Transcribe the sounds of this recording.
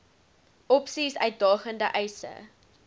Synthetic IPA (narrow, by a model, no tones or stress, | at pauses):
ɔpsisœɥt̚dɑːχəndəʔɛjsə̰